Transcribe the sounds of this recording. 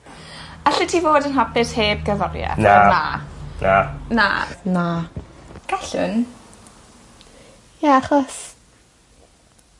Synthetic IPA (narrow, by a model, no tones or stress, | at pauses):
aɬɪtʰivoːdənɦabɪθheːb̚ɡəvɔrja̰nana̰na̰na̰na | ɡ̥aɬə̰n | jaaχɔs